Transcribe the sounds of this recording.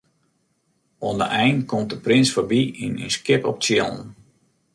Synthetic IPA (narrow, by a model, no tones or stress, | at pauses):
ondəʔɛjntkɔmt̚dəprɪnsfɔbiinə̰nskɪpɔp̚t͡sjo̰lˠn